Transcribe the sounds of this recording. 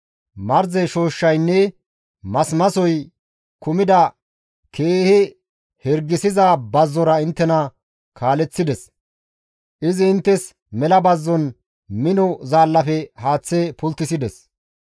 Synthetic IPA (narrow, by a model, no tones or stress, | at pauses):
mɐɾzɛʃo̞ːʃːɐjnːɛ | mɐsmɐsɔj | kʊmɪd̪ɐ | kʰeːhɛ | hɛɾɡɪsɪzabɐzːɔɾɐɪnt̪ːɛnɐ | kʰaːlɛt͡sːɪd̪ɛs | ʔɪzɪɪnt̪ːɛs | mɛlɐbɐzːɔn | mɪnɔzaːlːɐfɛhaːt͡sːepʊlt̪ːɪsɪd̪ɛs